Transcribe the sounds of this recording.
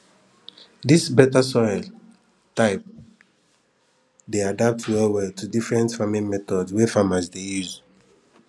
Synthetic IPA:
disbɛtasɔɪl | taɪp̚ | deadap̚twɛlwɛltʰudifɹɛ̃ntfamĩnmɛtɔdswɛfamasdejuz

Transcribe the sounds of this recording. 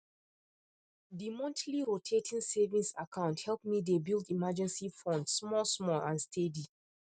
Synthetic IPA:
dimɔ̃ntʰliɹotʰetʰĩnsɛvĩnsakʰãʊ̃nthɛlp̚midebilˠdimad͡ʒɛ̃nsifɔ̃ndsmɔsmɔlãnstʰedi

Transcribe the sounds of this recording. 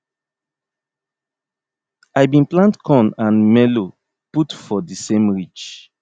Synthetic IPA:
ajbĩnplãntkʰɔ̃nãnmɛlo | putfɔdisẽmɹit͡ʃ

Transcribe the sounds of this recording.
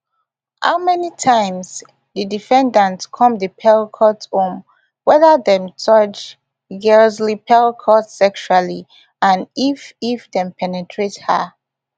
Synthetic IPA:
ha̰ʊmɛnitʰãɪ̃ms | didifɛ̃ndãntskʰɔ̃mdəpʰɛɹkʰɔtõm | wɛðəðɛ̃mt͡ʃʌt͡ʃ | ɡɛlzlipʰɛlkʰɔtsɛkʃuali | ãnififdɛ̃mpʰɛnɛtʰɹethə̰

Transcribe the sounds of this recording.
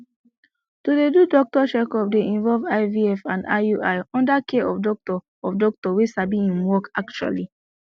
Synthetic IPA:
tudedudɔk̚tɔʃɛkɔp̚deʔĩnvɔlvaɪviɛfãnda̰uʔaɪɔ̃ndakʰeʔɔfdɔk̚tɔ | ɔfdɔk̚tɔwesabĩĩmwɔkak̚t͡ʃua̰li

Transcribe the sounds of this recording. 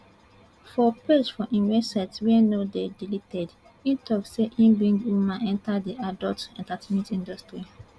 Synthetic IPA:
fɔpesfɔʔĩnvɛsɛtswɛnodedilitɛd | ĩtʰɔkseʔĩmbĩŋɡwumãnɛ̃ntadiʔadɔltɛ̃ntatʰimĩtĩndɔstɾi

